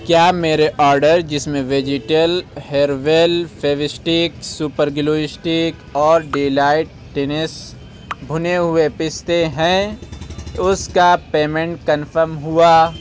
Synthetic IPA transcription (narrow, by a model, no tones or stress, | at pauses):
kjaːmeːɾeʔɔːɾɖəɾd͡ʒɪsmẽʋed͡ʒɪʈəlheːɾʋeːlfʰeːʋɪsʈɪksuːpəɾɡloːɪsʈɪkɔːɾɖeːlaːɪʈ̚ːeːnɪs | bʱʊneɦʊepɪst̪eɦɛ̃ | ʊskapeːmẽɳʈ̚kənfʰəɾmɦʊaː